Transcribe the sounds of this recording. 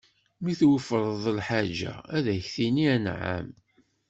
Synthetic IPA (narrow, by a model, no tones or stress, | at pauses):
miθwəfɾˤəðˤəlħad͡ʒæ̰æðæçθiniænʕa̰m